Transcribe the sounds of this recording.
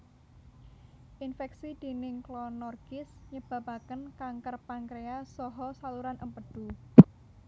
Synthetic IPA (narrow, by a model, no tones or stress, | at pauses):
ʔinfɛksid̪̥e̤nɪŋklɔnɔrɡ̥ɪsɲəb̥ä̤pakənkaŋkərpaŋkɾeasɔɦɔsaluɾanʔəmpəd̪̥ṳ